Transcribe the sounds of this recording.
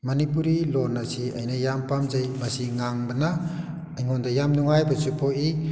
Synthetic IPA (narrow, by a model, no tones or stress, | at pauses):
mɐnipuɾilɔnɐsiɐ̰jnɐjampamzɐjmɐsiŋaŋbɐnaː | jŋɔndɐjamnuŋajbɐsupʰoi